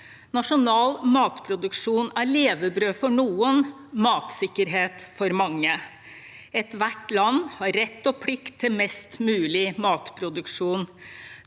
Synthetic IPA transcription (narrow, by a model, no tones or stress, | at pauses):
nɑʂʊnɑːlmɑːt̪pʰɾʊd̪ʉkʂuːnæɭeːʋəbɾøːfɔɳuːən | mɑːt̪sɪkːəɾɦeːt̪fɔɾmɑŋːə | ɛt̪ʋæʈlɑnːhɑɾːɛt̪ːɔpʰɽɪkt̪ʰːɪlmɛst̪mʉːlɪmɑːt̪pʰɾʊd̪ʉkʂuːn